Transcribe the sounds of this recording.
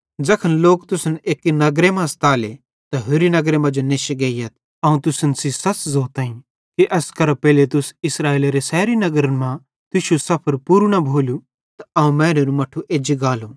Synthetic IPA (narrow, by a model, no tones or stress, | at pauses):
d͡ʒɐkʰənloːkt̪ʊsəneːkinɐɡɾemãst̪aːle | t̪ɐɦʊɾinɐɡɾemãd͡ʒoneʃɪɡeːijɐt̪̚ | ɐũt̪ʊsənsisɐt͡ʃzoːt̪ãːĩ | kiʔɐskɐɾɐpɛːlet̪ʊsɪsɾaːeːleɾesɛːɾinɐɡɾənmã | t̪ʊʃusɐpʰəɾpuːɾɽ̃abʱoːlu | t̪aɐũmɛ̃ːɾeɾumɐʈʰːuʔeːd͡ʒiɡaːluː